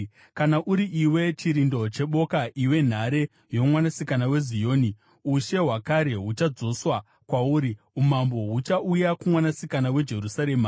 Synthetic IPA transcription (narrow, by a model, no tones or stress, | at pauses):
kanaʔuɾiʔiwe̞t͡ʃiɾindo̞t͡ʃe̞ɓo̞kaʔiwe̞n̤aɾe̞ | jo̞mwanasikanawe̞zijo̞ːni | uʃe̞ɦwakaɾe̞ɦut͡ʃad͡zo̞swa | kwauːɾi | umambo̞ɦut͡ʃaujakumwanasikanawe̞d͡ʒe̞rusaɾe̞ːma